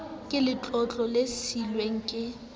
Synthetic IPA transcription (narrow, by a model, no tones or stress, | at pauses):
kʼɪlɪt͡ɬʼɔt͡ɬʼɔlesilweŋ̩kʼɪ